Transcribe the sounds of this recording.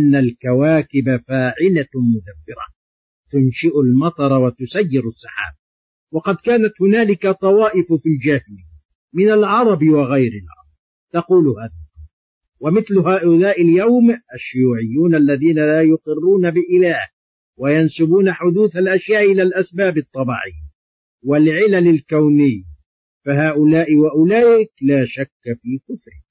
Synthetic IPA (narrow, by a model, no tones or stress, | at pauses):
ʔanːalkawaːkɪbafaːʕɪlamʊd̪abːɪɾa̰ | t̪ʊnʃɪʔʊlmɑt̪ˤɑɾˤɑwat̪ʊsajːɪɾʊsˤːɑħa̰ːba | wɑqɑd̪kaːnat̪hʊnaːlɪkat̪ˤɑwɑːʔɪffild͡ʒahl | mɪnalʕɑɾˤɑbwɑɣajɾɪlʔɑ̰ɾˤd̪ˤ | t̪ɑquːlʊhaːðalʔɑ | wamɪθlʊhaːʔʊlaːʔɪljawmʔaʃːʊjuːʕɪjːuːnʔalːaðiːnalaːjʊqɪrːuːnabɪʔɪlaːh | wajansɪbuːnaħʊd̪uːθalʔaʃjaːʔɪlaːlʔasbaːbɨt̪ˤːɑbɑ̰ʕɪjː | wɪlʕɪlalɪlkawnɪjː | faɦaːʔʊlaːʔɪwaʔʊlaːʔɪklaːʃakːfiːkʊfɾɪ̰